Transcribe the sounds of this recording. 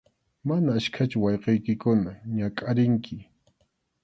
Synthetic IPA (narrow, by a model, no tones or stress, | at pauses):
manaːʃkʰat͡ʃʊwɑjqejkɪkʊnaɲakʼaɾɪŋkʰɪ